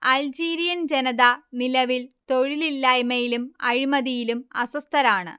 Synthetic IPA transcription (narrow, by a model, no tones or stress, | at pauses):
ɐld͡ʑiːɾijɐnd͡ʑenɐðɐnilɐʋilt̪o̞ɻililːaːjmɐjilumɐɻimɐðijilumɐ̰sɐst̪ʰɐɾaːɳɨ̰